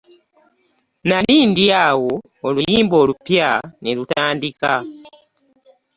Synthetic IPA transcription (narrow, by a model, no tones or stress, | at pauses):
naliːndiawo̞ː | lujiːmbo̞ːlupjanelutaːndika